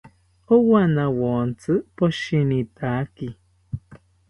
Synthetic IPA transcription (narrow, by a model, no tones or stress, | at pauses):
owanawont͡sɨpoʃinit̪aki